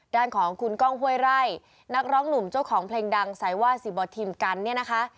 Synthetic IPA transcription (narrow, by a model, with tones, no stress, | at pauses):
daː˥˩nkʰɔː˩˦ŋkʰu˧nkɔː˥˩ŋɦu˥˩əjɾa˥˩j | na˦˥k̚ɾɔː˦˥ŋnu˨˩mt͡ɕa˥˩wkʰɔː˩˦ŋpʰleː˧ŋda˧ŋsa˩˦jwaː˥˩siː˨˩bɔː˧t̪ʰiː˧mka˧nːi˥˩ɐna˦˥kʰa˦˥ʔ